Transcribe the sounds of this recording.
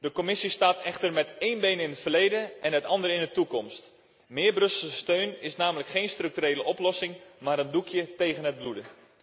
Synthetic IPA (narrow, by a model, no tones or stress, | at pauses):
dəkomɪsistaːtɛxtərmɛteːnbejnɪnətfərlejdəʔɛnɦətɑndərɪndətukɔmst | mɪːrbrɵsəstøɥnɪsnaːmələkχeːnstrɵk̚tyreːləʔɔplɔsɪŋmaːɾəndukʰjətejɣənɦət̚bludə